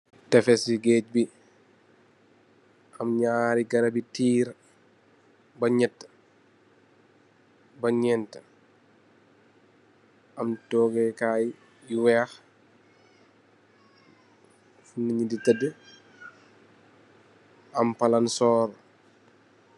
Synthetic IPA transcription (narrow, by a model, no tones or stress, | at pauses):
tɛfɛsiɡɛːc̚bi | ʔɐmɲaːɾiɡɐɾɐbitiːɾ | bɐɲɛtː | bɐɲɛːntə | ʔɐmtɔːɡɛkaːj | jiwɛːx | funːəɲiditədə | ɐmpɐlɐnsɔːɾ